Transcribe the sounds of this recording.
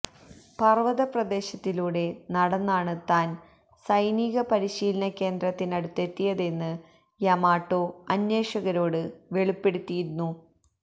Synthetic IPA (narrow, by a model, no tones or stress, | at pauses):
pɐrʋɐðɐprɐd̪e̞ːɕɐt̪ːiluːɽe̞nɐɽɐnːaːɳɨt̪aːn | sɐjniːɣɐpɐɾiɕiːlɐnɐkːe̞ːnd̪rɐt̪ːinɐɽut̪ːe̞t̪ːijɐðe̞nːɨ | jɐmaːʈːo̞ːɐnːjeːʂɐɣɐɾo̞ːɽɨʋe̞ɭupːe̞ɽut̪ːijiɾunːu